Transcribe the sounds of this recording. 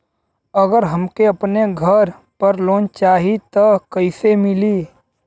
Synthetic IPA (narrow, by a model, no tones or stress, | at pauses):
əɡəɾɦɐmkeɐpneɡʱəɾ | pəɾloːnt͡ʃaːɦit̪əkɐɪsemɪli